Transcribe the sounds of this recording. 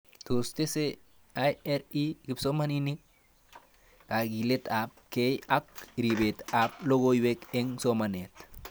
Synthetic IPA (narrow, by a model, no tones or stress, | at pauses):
tost̪ese | ajeɾiɡipsomaninik̚ | aɡilet̪ap̚kejak̚ɾibet̪ap̚loɡojwekeŋsomanet̪